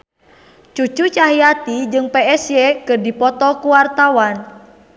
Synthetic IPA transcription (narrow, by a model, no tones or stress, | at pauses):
t͡ʃut͡ʃut͡ʃaɦiat̪id͡ʒɨŋpɛɛsjɛkɨrdipɔt̪ɔkuwart̪awan